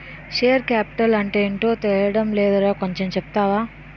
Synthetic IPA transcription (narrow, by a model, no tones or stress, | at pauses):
ʃeːjɐɾkjaːpi̥ʈɐlɐɳʈe̞ːiɳʈoːt̪ɛɭjɐɽɐmlɛːd̪ɐɾaːkoɲt͡ʃemt͡ʃɛp̚t̪aːʋaː